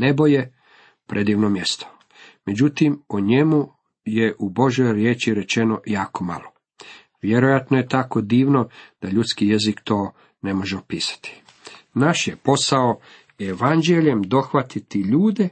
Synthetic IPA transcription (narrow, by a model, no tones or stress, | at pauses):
ne̞bo̞je̞ | pɾʔe̞d̪iːʋnomje̞st̪o̥ | me̞d͡ʑut̪imoɲe̞mu | je̞ʔubo̞ʒo̞jɾjeːt͡ʃiɾe̞t͡ʃe̞no̞jaːko̞ma̰lˠo | ʋje̞ɾojat̪noje̞t̪ako̞d̪iːʋno̞d̪̥aʎut̪skijezikt̪o̞ː | ne̞mo̞ʒeopiːsḁt̪i̥ | naʃje̞po̞sao | eʋand͡ʒeʎe̞md̪o̞xʋat̪it̪iʎuːd̪e̞